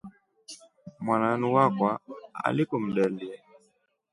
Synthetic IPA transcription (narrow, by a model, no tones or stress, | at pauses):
mwananiwakwaa̰likɔm̩ɗɛliɛ